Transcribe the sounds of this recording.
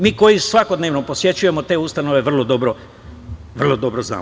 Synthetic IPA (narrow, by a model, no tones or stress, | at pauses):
miːko̞jisʋako̞d̪neʋnopo̞sje̞t͡ɕuje̞mo̞t̪e̞ːust̪ano̞ʋe̞ʋr̩lˠod̪obɾo | ʋr̩lˠod̪obɾozna̰ː